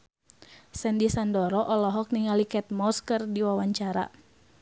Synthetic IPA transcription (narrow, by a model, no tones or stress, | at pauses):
sɛndisandɔɾɔʔɔlɔɦɔk̚niŋalikɛt̪̚mɔskərdiwawaɲt͡ʃaɾa̰